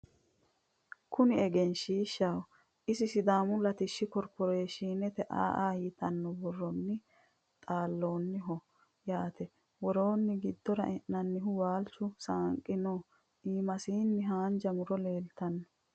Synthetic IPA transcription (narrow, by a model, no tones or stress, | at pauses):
kʰʊnɪɛɡɛnʃiːʃːawɔ | ʔɪsɪsɪd̪aːmʊlɐt̪ɪʃːɪkɔɾpɔɾeːʃiːnɛt̪ɛʔa̰ːʔaːhiːt̪ɐnːɔbɔrːɔnːɪ | t̪ʼaːlːo̞ːnːɪɦɔ | jaːt̪ɛ | wɔɾo̞ːnːɪɡɪd̪ːɔɾɐ̰ʔɛʔnɐnːɪɦʊwaːlt͡ʃːʊsaːŋkʼːɪnoː | iːmɐsiːnːɪɦaːnd͡ʒɐmʊɾɔleːlt̪ɐnːɔ̥